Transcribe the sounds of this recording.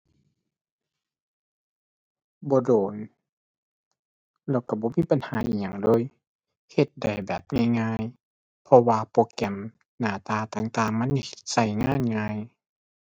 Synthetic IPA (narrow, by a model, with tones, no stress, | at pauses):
bɔː˧˦doː˨˩n | lɛː˧˩wka˧˩bɔː˧˦miː˧˥˨pa˨nhaː˨˦ʔiː˧˨k̚ɲa˧˩ŋdoː˧˥˨j | he˧t̪̚da˨˩jbɛː˨˩p̚ŋaː˧˥˨jŋaː˧˨j | pʰɔ˧waː˧poː˧kɛ˧˩m | naː˧˩t̪aː˧t̪aː˨˩ŋt̪aː˨˩ŋma˧˥˨nːi˧˩he˧˩t̪̚sa˧˩jŋaː˧˥˨nŋaː˧j